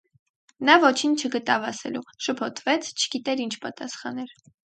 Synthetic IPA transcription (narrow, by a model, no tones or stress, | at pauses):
nɑvɔt͡ʃʰint͡ʃʰəɡət̪ɑvɑsɛ̰luʃəpʰɔt̪ʰvɛt͡sʰt͡ʃʰə̥ɡit̪ɛɾint͡ʃʰpɑt̪ɑsχɑnɛɾ